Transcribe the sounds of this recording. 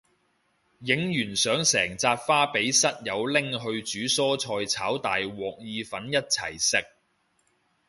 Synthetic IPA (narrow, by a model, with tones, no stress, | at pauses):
jɪ˨˥ŋjyː˨˩nsœː˨˥ŋsɛː˨˩ŋt͡saː˧t̚faː˥pe˨˥jsɐ˥t̚jɐ˨˧wlɪ˥ŋɦɵ˧ɥt͡ʃyː˨˥sɔː˥t͡sʰɔː˧jt͡sʰaː˨˥wt̪aː˨jwɔː˨k̚jiː˨˧fɐ˨˥njɐ˥t̚t͡sʰɐ̰˨˩jsɪ˨k̚